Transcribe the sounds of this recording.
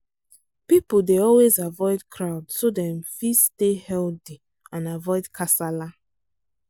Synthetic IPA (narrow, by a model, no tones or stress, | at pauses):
pipodeɔlwezavɔɪdkʰɹaʊdsodɛ̃mfistehɛldi | ãnavɔɪdkʰasala